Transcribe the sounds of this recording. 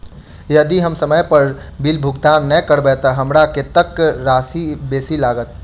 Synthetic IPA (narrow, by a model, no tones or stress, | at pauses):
jəd̪iɦəmsəməjpəɾbilbʱuɡ̚d̪annəkəɾbɛt̪əɦəmɾaket̪əkːɾasibeːsilaɡət̪